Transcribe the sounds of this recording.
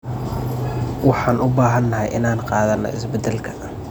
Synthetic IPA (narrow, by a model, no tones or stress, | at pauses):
wɑħɑːnʔʊbaːɦɐnːɐɦɛjʔɪnaːnqɑːðɐnːɔ̰ɪ̰sbɛd̪ɛlkʰɐ̥